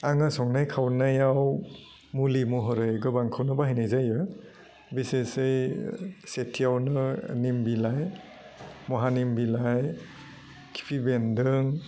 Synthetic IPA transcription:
aŋasɔŋnajkʰawnajaw | mulimɔɦɔɾɯjɡɯbaŋkʰawnɯbaɦɯjnajzajɯ | bisesɯj | setʰijawnɯnimbilaj | mɔɦanimbilaj | kʰi̥pʰibendɯŋ

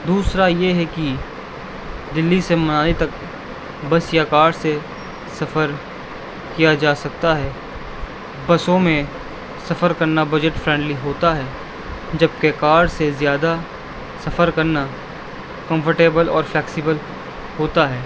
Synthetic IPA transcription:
d̪uːsɾajeɦɛki | d̪ɪlːisemɐnaːlet̪ɐk | bɐsjakaːɾɖse | sɐfəɾ | kijad͡ʒaːsɐk̚t̪aɦɛː | bɐsõmẽ | sɐfəɾkɐɾnabɐd͡ʒəʈfɾɛ̃ːɳɖliɦoːt̪aɦɛː | d͡ʒɐb̚kekaːɾɖsezjaːd̪a | sɐfəɾkɐɾna | kɐ̃mfʰəɾʈeːbəlɔ̰ːɾflɛːksibəl | hoːt̪aɦɛː

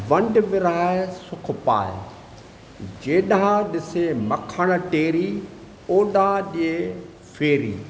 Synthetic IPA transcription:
ʋɐ̃ɳɖʋɪɾaːesʊkʰpa̰ːj | d͡ʑeːɗãɗɪsemɐkʰəɽ̃ə̆ʈeːɾi | oːɗãɗie | feːɾḭː

